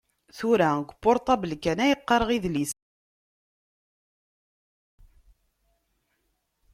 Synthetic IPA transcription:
θuɾæɡʷəpːoɾˤt̪ˤɑbəlkːænæjəqːɑɾˤʁiðlis

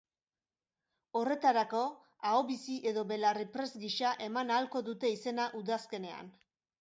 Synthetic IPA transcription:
o̞re̞t̪aɾako̞ | aoβisiʔe̞ðo̞βe̞laripɾe̞zɡiʃaʔe̞manalko̞ðut̪e̞ise̞naʔuðaske̞ne̞a̰n

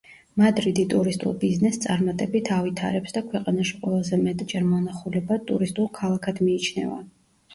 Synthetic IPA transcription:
mad̪ɾid̪it̪ʼuɾist̪ʼṵlˠbiznɛst̪sʼaɾmat̪ʼɛbit̪ʰavit̪ʰa̰ɾɛpsd̪akʰwɛqʼanaʃiqʼwɛlˠazɛmɛt̪ʼd͡ʒɛɾmɔnaχulɛbat̪ʼṵɾist̪ʼulˠkʰalˠakʰad̪miːt͡ʃʰnɛ̰va̰

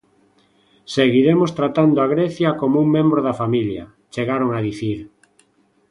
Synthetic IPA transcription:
seɣiɾemost̪ɾat̪and̪oaɣ̞ɾeθjakomouŋmẽmbɾoðafamilja̰ | t͡ʃeɣaɾoŋaðiθiɾ

